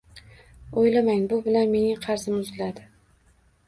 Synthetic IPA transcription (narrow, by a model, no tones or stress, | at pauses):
ojlamaŋbʊbɪlanme̞nɪŋqʰɑɾzɪmʊzlad̪ɪ